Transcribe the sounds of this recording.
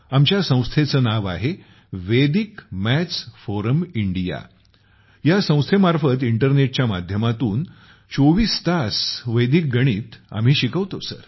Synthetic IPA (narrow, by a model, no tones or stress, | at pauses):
amt͡ɕjasə̃w̃st̪ʰet͡səːnaʋa̰ɦe | ʋed̪ikmæt͡sfoɾəmiɳɖija̰ | jasə̃w̃st̪ʰemaɾfət̪iɳʈəɾneʈ̚t͡ɕjamad̪ʱjəmat̪uːn | t͡soʋiːst̪asʋəjd̪ik̚ɡəɽ̃iːt̪a̰m̤iːɕikəʋt̪osə̰ɾ